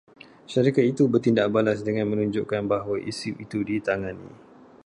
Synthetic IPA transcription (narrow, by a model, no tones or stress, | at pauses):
ʃaɾikat̪it̪ubərt̪indaʔbalas̬dəŋãnmə̃nuɲd͡ʒuʔkanbaɦwaʔisiit̪udit̪aŋanḭ̃